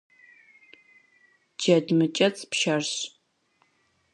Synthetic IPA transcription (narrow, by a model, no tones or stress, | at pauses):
d͡ʒɐdmɨt͡ʃʼɐt͡sʼpʃarɕ